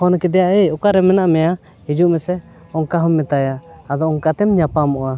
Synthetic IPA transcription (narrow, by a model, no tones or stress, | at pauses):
ɔnkɛd̪ɛjaeɔkaɾɛmɛnaʔmɛja | hid͡ʒuʔmɛsɛ | ɔŋkaɦɔmːɛt̪ajaːd̪ɔɔŋkat̪ɛmɲapamɔʔa